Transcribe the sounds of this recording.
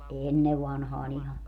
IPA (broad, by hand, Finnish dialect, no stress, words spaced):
ʔenːeʋ ʋɑnhɑːn ihɑ